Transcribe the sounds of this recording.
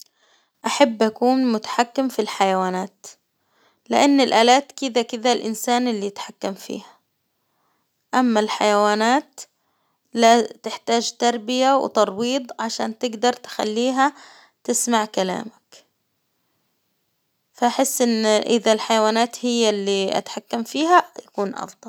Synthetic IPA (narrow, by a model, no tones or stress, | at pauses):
ʔaħabːʔakuːnmʊt̪ḁħakːɪmfilħajawaːnaːt̪ | lɪʔanːɪlʔaːlaːt̪kɪd̪akɪd̪alʔɪnsaːnʔɪlːijɪt̪ħakːamfḭːhḁ | ʔamːalħajawaːnaːt̪ | lat̪ɪħt̪aːd͡ʒt̪ɑɾˤbɪjaw̰t̪ɑɾˤwiːd̪ˤʕaʃa̰ːnt̪ɪɡd̪ɑɾˤt̪ɪ̥xa̰lːiːɦa | t̪ɪsmaʕkala̰ːmak | faʔaħɪsːʔɪnːʔɪðalħajawaːnaːt̪hɪjːalːiʔa̰t̪ħakːamfiːɦajakuːnʔɑ̰fd̪ˤɑl